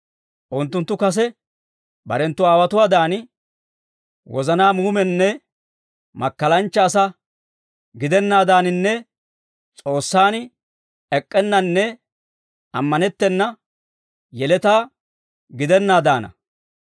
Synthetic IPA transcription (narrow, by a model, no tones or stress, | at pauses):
ʔʊnt̪ːʊnt̪ːʊkɐs̬ɛ | bɐ̰ɾɛnt̪ːʊaːwɐt̪ʊwaːd̪aːnɪ | wɔ̰zɐnaːmuːmɛnːɛ | mɐkːɐlɐnt͡ʃːɐːsɐ | ɡɪd̪ɛnːaːd̪aːnɪnːɛ | t͡sʼo̞ːsːaːn | ɛkʼːɛnːɐnːɛ | ɐ̰mːɐnɛt̪ːɛnːɐ | jɛlɛt̪aː | ɡɪd̪ɛnːaːd̪aːnɐ̰